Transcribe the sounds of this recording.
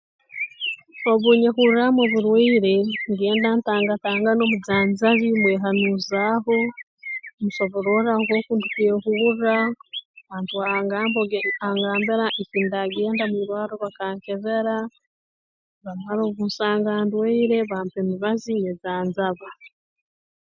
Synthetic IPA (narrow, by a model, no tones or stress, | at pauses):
oβuɲeɦuɾɾamoβuɾweːɾe̞ŋɡe̞ːndaːntaːŋɡataːŋɡano̞muzaːnzaβimweːɦanuzaːɦo̞ | muʃo̞βoɾo̞ɾaŋɡo̞ːkundukueɦuurɾaβaːntuaŋɡaːmboaŋɡaːmbiɾaʔeciːndaɡe̞ːndamuiɾwaːɾoβakaːɲce̞βeɾa | βamaɾo̞ːβunsaːŋɡaːndweːɾe̞βaːmpemiβazined͡zaːnzaβa